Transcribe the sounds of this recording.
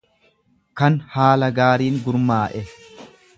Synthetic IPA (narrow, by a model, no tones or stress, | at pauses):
kɐnhaːlɐɡaːɾiːŋɡʊɾmaːʔɛ